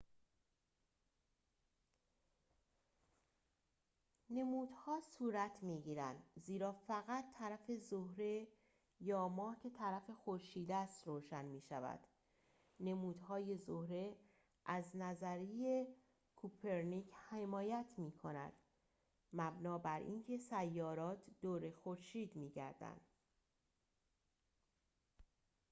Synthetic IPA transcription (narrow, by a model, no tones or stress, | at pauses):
ne̞muːd̪hɒːsuːɾæt̪ʰmiːɟiːɾænd̪ziːɾɒːfæɣæt̪ʰːæɾæfe̞zohɾe̞ | jɒːmɒːhcʰe̞t̪ʰæɾæfe̞xo̞ɾʃiːd̪æst̪roːʃænmiːʃæ̰væ̰d̪̥ | ne̞muːd̪̥hɒːje̞zohɾe̞ | ʔæznæzæɾije | kʰupʰe̞ɾnicʰhe̞mɒːjæt̪ʰmiːkʰo̞næ̰d̪̥ | mæbnɒːbæɾʔḭːncʰe̞sæjːɒːɾɒːt̪ʰd̪̥oːɾe̞xo̞ɾʃiːd̪miːɟæ̰ɾd̪æ̰nd̪̥